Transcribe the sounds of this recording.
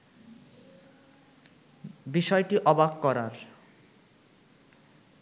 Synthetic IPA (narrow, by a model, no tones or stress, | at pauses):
biʃɔeʈiʔɔbakkɔɾaɾ